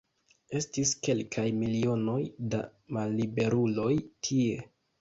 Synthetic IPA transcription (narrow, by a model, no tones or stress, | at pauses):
e̞stiske̞lkʰajmilio̞no̞jda̰malːibe̞ɾulo̞jtʰie̞